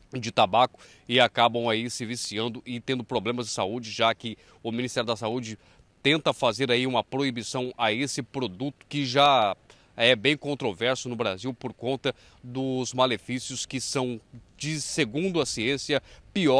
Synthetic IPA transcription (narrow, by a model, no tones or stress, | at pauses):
d͡ʒɪt̪abakʊ̥ | ɪakabɐ̃w̃aisɪvisiɐ̃nd̪ʊʔɪt̪ẽnd̪ʊpɾoblẽmɐzd͡ʒɪsaud͡ʒɪʒakɪ | ʊminist̪ɛɾjʊd̪ɐsaud͡ʒɪ | t̪ẽnt̪ɐfazeɾaiũmɐpɾoibisɐ̃w̃aesɪpɾod̪ut̪ʊ̥kɪʒa | ɛbẽj̃kõnt̪ɾovɛɾsʊnʊbɾaziwpoɾkõnt̪ɐ | d̪ʊzmalefisiʊskɪsɐ̃w̃d͡ʒɪseɡũnd̪ʊɐsiẽsiɐpiɔ